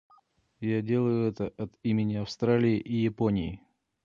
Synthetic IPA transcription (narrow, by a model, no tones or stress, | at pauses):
jadʲe̞lˠəjʊɛt̪əʔɐt̪imʲɪnʲɪɐfst̪ɾalʲɪɪʔijɪponʲɪɪ